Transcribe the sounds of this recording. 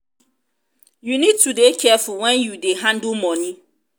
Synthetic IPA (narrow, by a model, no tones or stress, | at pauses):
junid̚tudekʰɛfʊwɛ̃njudeɦãndumɔni